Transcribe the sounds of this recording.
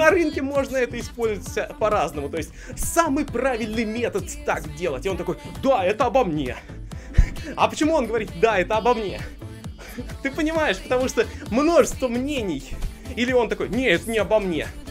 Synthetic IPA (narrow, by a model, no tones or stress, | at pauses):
nɐɾɨnkʲɪmo̞ʐnəɛt̪əɪspo̞lʲzəvətʲpɐɾaznəmʊt̪o̞jɪsʲtʲsamɨjpravʲɪlʲnɨjmʲet̪ət̪t̪akdʲe̞lˠətʲɪot̪ɐkojd̪aɛt̪əɐbɐmnʲe̞̰ | ɐ̰pət͡ɕɪmuonɡəvɐɾʲit̪̚d̪aɛt̪əɐbɐmnʲḛ | t̪ɨpənʲɪmajɪʂpət̪ɐmuʂt̪omno̞ʐɨst̪vəmnʲenʲɪj | ilʲɪo̞nt̪ɐko̞jnʲeɛt̪ənʲɪɐbɐmnʲe̞̰